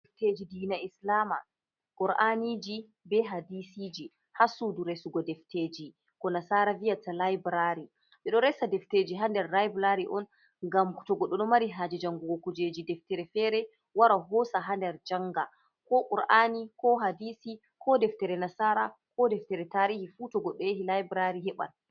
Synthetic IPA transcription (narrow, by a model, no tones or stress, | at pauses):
ɛfted͡ʒidiːnaislama | kuɾʔanid͡ʒi | bɛɦadisid͡ʒi | hasuduɾɛsuɡɔdɛfteːd͡ʒi | kɔnasaːɾavijatalajbɾaɾi | ɓɛɗɔɾɛsadɛfteːd͡ʒiɦandɛɾːajbɾaɾiʔɔn | ŋɡamtɔɡɔɗːɔɗɔmaɾiɦad͡ʒɛd͡ʒaŋɡuɡɔkud͡ʒed͡ʒidɛftɛɾɛfɛɾɛ | waɾaɦɔsaɦandɛɾd͡ʒaŋɡa | kɔʔuɾʔanikɔɦadisi | kʰɔdɛftɛɾɛnasaːɾakʰɔdɛftɛɾɛtaɾihifutɔɡɔɗːɔeɦilajbɾaɾiɦɛɓa̰l